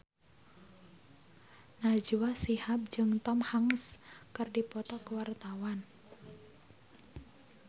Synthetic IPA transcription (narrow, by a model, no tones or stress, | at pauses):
nḁd͡ʒuwasihap̚d͡ʒɨŋt̪ɔmhaŋskərdipɔt̪ɔkəwart̪awan